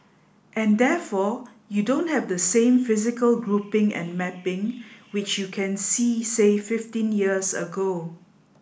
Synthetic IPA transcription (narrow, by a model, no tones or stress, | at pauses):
ʔɛ̃ndɛfɔ | judõnthɛvdəsẽmfɪzɪkəlɡɹupɪ̃ŋɛ̰̃nmɛpɪ̃ŋwɪt͡ʃjukʰɛ̃nsisefɪftĩnjiəsə̰ɡo